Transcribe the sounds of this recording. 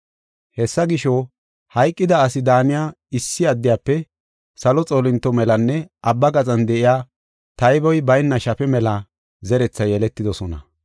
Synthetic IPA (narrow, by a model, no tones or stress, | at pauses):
hɛsːɐɡɪʃɔ | hɐjkʼːɪd̪ɐːsɪd̪aːnɪjaː | ɪsːɪɐd̪ːɪjaːpːɛ | sɐlɔt͡sʼoːlɪnt̪ːɔmɛlɐnːɛʔɐbːɐɡɐt͡sʼɐnd̪ɛʔɪjaː | t̪ɐjbɔjbɐjnːɐʃɐfɛmɛlɐ | zɛɾɛt͡sːɐjɛlɛt̪ːɪd̪ɔsɔnɐ̰